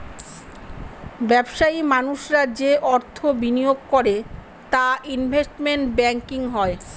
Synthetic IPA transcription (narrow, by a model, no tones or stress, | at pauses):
bɛbʃaimanuʃɾad͡ʑeʔɔɾt̪ʰobinijoɡkoɾe | t̪aʔinbʱesʈmeɳʈbɛŋkiŋɦɔe